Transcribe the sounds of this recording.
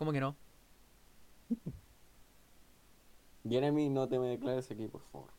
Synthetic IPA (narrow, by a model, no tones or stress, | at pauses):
komokeno | ɡeɾeminot̪emeðeklaɾesakipo̰ɾfa̰βo̰ɾ